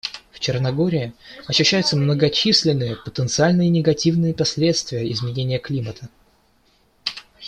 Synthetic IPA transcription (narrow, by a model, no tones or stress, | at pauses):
ft͡ɕɪrnɐɡo̞ɾʲɪɪɐɕːʉɕːæjʊt̪səmnəɡɐt͡ɕisʲlʲɪnːɨjəpət̪ənt̪sɨalʲnɨjənʲɪɡɐtʲivnɨjəpɐsʲlʲe̞t̪st̪vʲɪjəɪzmʲɪnʲenʲɪjəklʲimət̪ʰə